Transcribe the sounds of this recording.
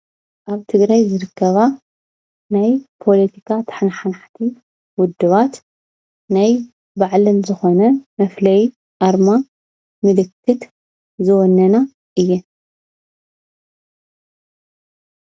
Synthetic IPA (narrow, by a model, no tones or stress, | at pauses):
ʔaβt̪ʰɨɡɾajzɨɾɨkʰːɐβa | najpʰo̞lɐt̪ʰikʰat̪ʰɐ̥ħnaħanaħt̪ʰi | wʊd̪ːɨβat̪ | naj | baʕlɨnzɨxo̞nɐmɐflɐj | ʔaɾma | mɨlɨkʰːɨt̪ | zɨwɔnːɐna | ʔɨjːɛ